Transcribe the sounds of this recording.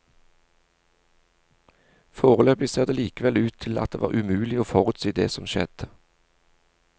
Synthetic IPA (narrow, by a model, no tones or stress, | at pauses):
foːʁəløːpɪseːʁd̪eːliːkəʋɛlʉːt̪ʰɪlɑt̪̚d̪ḛːʋɑ̰ːʁʉmʉːlɪoːfɔʁʉːt̪siːd̪ḛːsɔmʃɛ̰d̪̥ə